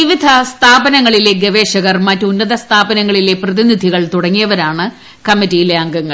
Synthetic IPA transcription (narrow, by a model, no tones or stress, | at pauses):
iʋid̪ʱɐst̪ʰaːbɐnɐŋːɐɭile̞ɡɐʋe̞ːʂɐɣɐrmɐtːunːɐðɐst̪ʰaːbɐnɐŋːɐɭile̞prɐðinid̪ʱiɣɐɭt̪uɽɐŋːijɐʋɐɾaːɳɨ | kɐmːitːijleɐŋɡɐŋːɐɭ